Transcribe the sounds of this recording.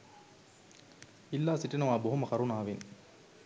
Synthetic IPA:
ilːaːsiʈːinɐʋaːboɦumɐxɐɾunaːʋin

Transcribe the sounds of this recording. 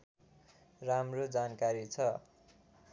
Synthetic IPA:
ramrod͡zankaɾit͡sʰʌ

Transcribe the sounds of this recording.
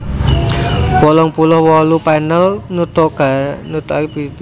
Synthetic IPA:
wɔlɔŋpulɔhwɔlupɛnəlnut̪ɔɡanut̪i

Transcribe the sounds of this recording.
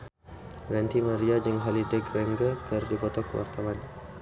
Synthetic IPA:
rɛnt̪imaɾiad͡ʒəŋɦɔlidɛkɾɛŋɡəkʰərdipɔt̪ɔkəwa̰rt̪awan

